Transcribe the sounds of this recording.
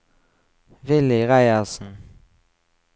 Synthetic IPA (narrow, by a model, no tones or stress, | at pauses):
vɪlɪɣajasʊ